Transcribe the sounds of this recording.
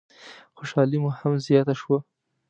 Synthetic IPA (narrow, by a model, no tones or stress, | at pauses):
xoʃɑlimuhamzjɑt̪aʃwa